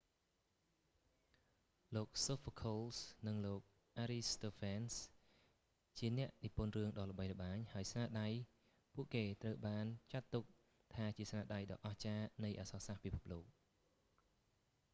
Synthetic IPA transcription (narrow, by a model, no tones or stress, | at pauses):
loːk̚soːfkʰoːlsnɨŋloːk̚ | ʔaːɾist̪oːfʰans | t͡ɕiənɛ̆əʔnipŭənrɨəŋɗɑːlə̆ɓəjrə̆ɓaːɲhaəjsnaːɗaj | puəʔkeːt̪rəwɓaːnt͡ɕat̪ːuk̚ | t̪ʰaːt͡ɕiəsnaːɗajɗɑ̰ːʔɑht͡ɕaːnɨjʔaːsɑːsahpipʰup̚loːk̚